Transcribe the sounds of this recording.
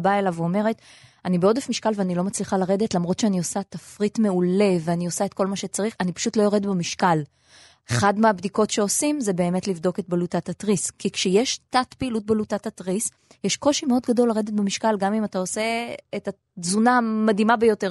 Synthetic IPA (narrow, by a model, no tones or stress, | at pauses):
baelaveome̞ʁe̞tanibeo̞d̪efmiʃkalveanilo̞mat͡sliχalaʁe̞d̪etlamʁo̞tʃeanio̞sat̪afʁitme̞uleveanio̞sae̞t̚ko̞lmaʃe̞t͡saʁiχanipḁʃutlo̞jo̞ʁe̞dbemiʃkal | eχadmeabdiko̞tʃe̞o̞simze̞be̞ːme̞tlivdo̞ke̞t̚balutatatʁiskikʃejeʃtatpiːlut̚balutatatʁis | jeʃko̞ʃimeo̞d̪ɡado̞lːaʁe̞d̪etbemiʃkalɡamimatao̞se̞eta | zunamadimabejo̞te̞